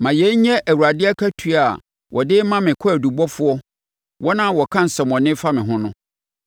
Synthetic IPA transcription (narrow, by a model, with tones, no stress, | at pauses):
mã˨jɛ˨˦ɲ˦ɲɛ̃˦ʔæ˨wu˨ɾa˨dɪ˦ɛ˦kʰæ˦tʰu˨a˨ | wʔɔ˨dɪ˦mã˦mɪ̃˨kʰɔ˦æ˨du˨bɔ˦fʊ˦ɔ˦ | wɔ˦nã˦˨wɔ˨kʰã˦n̩˨sɛ˨mɔ̃˨nɪ̃˦fa˦mɪ̃˨ɦʊ̃˦nʊ̃˦